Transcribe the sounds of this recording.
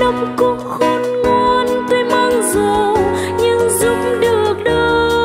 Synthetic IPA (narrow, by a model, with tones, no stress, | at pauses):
ə˧wŋ͡mkʊ˧˦ŋ͡mxo˧nŋwa˧nt̪e˧maː˧ŋzo˨˩ | ɲɨ˧ŋzʊ˨˧˦ŋ͡m̚ɗɨ˨˩ək̚ɗəː˧˦